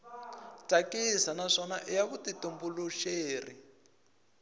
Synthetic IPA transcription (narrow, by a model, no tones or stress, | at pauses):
takisanaʂɔnaʔijaβutitumbuluʃeːri